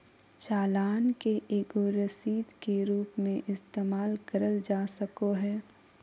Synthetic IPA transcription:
t͡ʃaːlaːnkeʔeːɡoɾəsiːd̪keɾuːpmẽʔɪst̪eːmaːlkɐɾəld͡ʒaːsəkoɦɛː

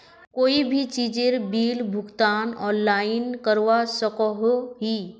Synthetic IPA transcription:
koːibʱit͡ʃid͡ʒeɾbiːlbʱʊɡt̪aːnɔ̃ːnlainkəɾʋasəkɔɦoɦi

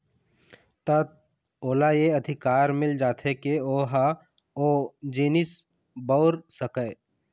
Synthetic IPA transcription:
t̪ət̪̚ | oːlajeɐd̪ʱɪkaːɾmɪld͡ʒaːt̪ʰekeoːɦa | oːd͡ʒiːnɪs | bəʊɾsəkə

